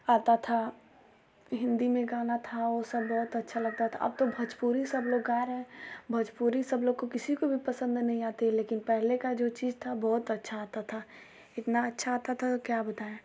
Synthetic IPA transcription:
aːt̪at̪ʰa | ɦɪ̃nd̪imẽɡaːnat̪ʰaosɐbːɔːt̪ɐtːʃʰalɐɡ̚t̪at̪ʰa̰ʔɐ̰b̚t̪obʱɐd͡ʒpuːɾisɐbloːɡːaːeɾɛɦɛ̃bʱɐd͡ʒpuːɾisɐbloːɡ̚kokɪsikobʱipɐsə̃nd̪nɐɦĩaːt̪eɦɛleːkɪnpɛɦlekad͡ʒoːt͡ʃiːd͡ʒt̪ʰabɔːt̪ɐtːʃʰaat̪at̪ʰa | ɪt̪naɐtːʃʰaɦat̪at̪ʰakjabɐt̪aːɛ̃

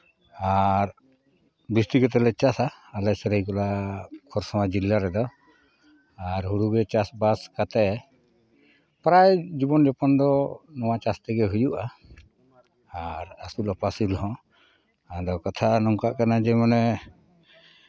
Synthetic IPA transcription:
aɾ | bist̪ikɛt̪̬ɛlɛt͡ʃasaːlɛsɛɾajkɔlakʰɔɾsamad͡ʒilːaɾɛd̪ɔ | aɾɦuɽuɡɛt͡ʃasbaskat̪ɛ | pɾajd͡ʒibɔnd͡ʒɔpɔnd̪ɔnɔwat͡ʃast̪ɛɡɛɦujuʔa | ɾasulapasilɦɔ̃ | ad̪ɔkat̪ʰanɔŋkaʔkanad͡ʒɛmanɛ

